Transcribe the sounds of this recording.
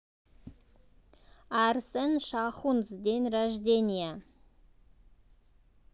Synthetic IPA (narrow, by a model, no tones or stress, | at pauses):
æɾsenʃaχunzd̪enraʒd̪ʲenʲija